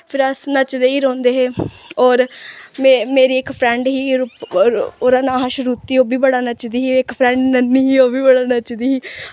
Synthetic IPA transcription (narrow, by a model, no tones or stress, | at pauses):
pʰɪɾəsnət͡ʃd̪eːiːɾõːnd̪eːɦeːɔːɾmemeːɾiːɪkpʰɾɛ̃ːɳɖɦiːɾʊpoɾãːnaːɦaʃɾuːt̪ːiːoːbiːbəɽaːnət͡ʃd̪iːɦiːɪkpʰɾɛ̃ːɳɖnənːiːɦiːoːbiːbəɽaːnət͡ʃd̪iːɦiː